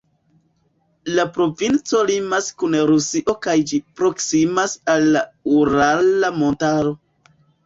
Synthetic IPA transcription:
lapɾo̞vint͡so̞limaskunɾusiʔo̞kajd͡ʒipɾo̞ksimasalːauɾalamo̞ntaɾo̞

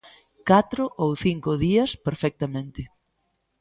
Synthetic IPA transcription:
kat̪ɾʊʔowθiŋkʊðiɐspeɾfɛk̚t̪amẽnt̪ɪ

